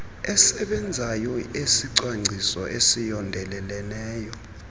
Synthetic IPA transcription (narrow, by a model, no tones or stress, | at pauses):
ɛsɛɓɛnd͡zʱajɔesiǀwaŋ͡ǀʱisɔ̰ʔesijɔndʱɛlɛlɛlɛːjɔ